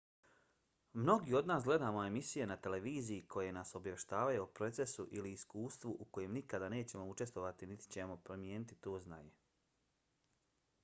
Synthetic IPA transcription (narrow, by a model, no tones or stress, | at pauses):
mno̞ɡiːo̞d̪naːsɡle̞d̪aːmo̞e̞misije̞nat̪e̞le̞ʋiːzijikʰo̞je̞naːso̞bjae̞ʃt̪aːʋajuupɾo̞t̪se̞suʔiliːskuːst̪ʋuʔuko̞jemnikad̪ane̞ːt͡ɕe̞mo̞ut͡ʃe̞st̪ʋo̞ʋat̪init̪i̥t͡ɕe̞mo̞pɾo̞mjeːnit̪it̪o̞ːzna̰ɲe̞